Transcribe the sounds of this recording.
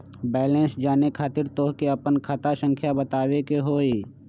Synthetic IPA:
bɛːlẽnsd͡ʒaːnekʰaːt̪ɪɾt̪oːɦkeɐpənkʰat̪asə̃ŋkʰjabət̪aːwekeɦoːiː

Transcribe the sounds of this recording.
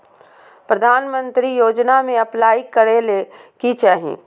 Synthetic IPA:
pɾɐd̪ʱaːnmə̃nt̪ɾijoːd͡ʒnamẽɐplaːikəɾelekit͡ʃaːɦḭ̃ː

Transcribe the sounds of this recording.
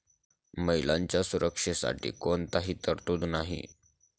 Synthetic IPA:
məilaɲt͡ɕjasuɾʔəkʂəsa̰ʈḭːkont̪aɦiːt̪əɾt̪uːd̪naɦḭ

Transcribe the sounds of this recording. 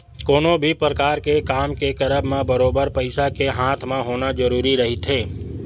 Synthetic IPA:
koːnõbʱipɾəkaːɾkekaːmkekəɾəbʱmẽbəɾoːbəɾpəɪsakeɦãːt̪ʰmẽɦoːnad͡ʒəɾuːɾiɾɐɦit̪ɦeː

